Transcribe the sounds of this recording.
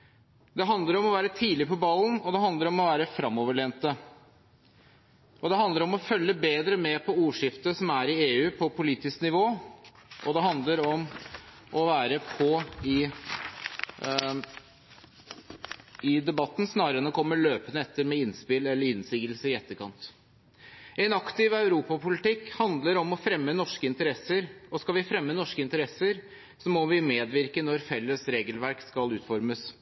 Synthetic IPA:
d̪ɛɦɑnd̪ləɾɔmɔʋæːɾət̪ʰiːlɪpʰɔbɑlnɔd̪ɛɦɑnd̪əɾɔmɔʋæːɾəfɾɑmːɔːʋəɭeːnt̪ə | ʔɔd̪ɛɦɑnd̪əɾɔmɔfœlːəbeːd̪ɾəmɛpʰɔuːʂɪft̪əsɔmæɾɪeːʉːpʰɔpʊliːt̪ɪsknɪʋoːʔɔd̪ɛɦɑnd̪ləɾɔm | ʔɔʋæːɾəpʰɔɪ | ɪd̪ɛbɑt̪ːn̩snɑːɾəɾɛnɔkʰɔmːəɭøːpənəɛt̪ːəɾmɛɪnspɪlɛlːəɾɪnsiːɡəlsəɪɛt̪ːəkʰɑnt̪ | ɛɪnɑkt̪ɪʋɑʉɾuːpɑpʰʊlɪt̪ɪkːhɑnd̪ləɾɔmɔfɾɛmːənɔʂkəɪnt̪əɾɛsəɾɔskɑlʋɪfɾɛmːənɔʂkəɪnt̪əɾɛsəɾ | sɔmːɔʋɪmeːd̪ʋɪɾkənɔɾfɛlːəsɾeːɡəlʋæɾkskɑlʉːt̪fɔɾməs

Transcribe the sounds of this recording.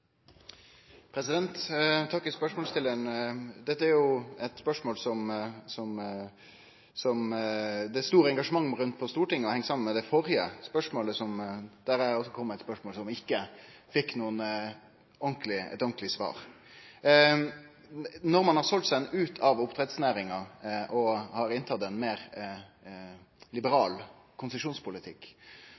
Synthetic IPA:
pʰɾɛsɪd̪ɛnt̪t̪ʰɑkːɪlspœʂmɔːlst̪ɪləənd̪ɛt̪ːəæɾjʊɛt̪spœʂmoːlsɔmsɔm | sɔmd̪ɛst̪uːɾəɛŋɡɑʂəmɑŋːɾʉnt̪̚pʰɔst̪uːʈɪŋːəɔhɛŋsɑmənmɛd̪ɛfɔɾɪə̰spœʂmoːləsɔmd̪̥æɾæɔsːɔkʰɔmːæɪt̪spœʂmoːlsɔmɪkːəfɪkːnuːən | ɔŋklɪɛ̰t̪ɔŋklɪsʋɑ̰ːɾ | nɔɾmɑnhɑɾsɔlt̪sɛɛnʉːt̪ʰɑʋʊpt̪ʰɾɛt̪snæːɾɪŋɑʔɔhɑɾɪnt̪ʰɑt̪ɛnmeːɾ | lɪbəɾɑːl | kʰʊnsəʂuːnspʊlɪt̪ʰɪkː

